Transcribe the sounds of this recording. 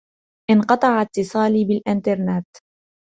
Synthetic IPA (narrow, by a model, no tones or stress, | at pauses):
ʔɪnqɑt̪ˤɑʕat̪ːɨsˤɑːliːbɪlʔɪnt̪ɑɾˤnat̪